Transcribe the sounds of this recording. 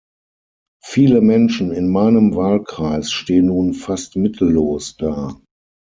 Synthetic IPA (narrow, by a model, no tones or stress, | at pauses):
fiːləmɛnʃn̩ɪnmaɪnəmvaːlkʁ̥aɪsʃteːənːuːnfastmɪtʰl̩loːsd̥aː